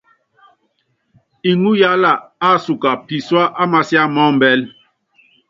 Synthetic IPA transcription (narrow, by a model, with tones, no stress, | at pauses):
i˨ŋu˦ja˦la˨a˦˨su˨ka˨pi˨swa˦ʔa˦ma˨sja˦mɔ˦m˨bɛ˦l